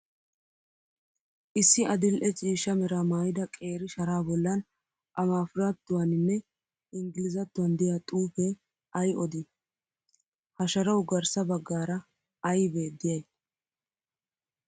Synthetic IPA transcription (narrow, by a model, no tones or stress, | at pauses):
ʔɪsːɪʔɐd̪ɪlʔɛt͡ʃʼiːʃɐmɛɾamaːjɪd̪ɐkʼe̞ːɾɪʃɐɾaːbɔlːɐn | ʔɐmaːfʊɾat̪ːʊwanɪnːɛ | ʔɪŋɡɪlɪzɐt̪ːʊwɐnd̪ɪjat̪ʼuːfɛ | ɐjɔd̪ɪ | hɐʃɐɾɐwɡɐɾsɐbɐɡːaːɾɐ | ɐjbe̞ːd̪ːɪjɐj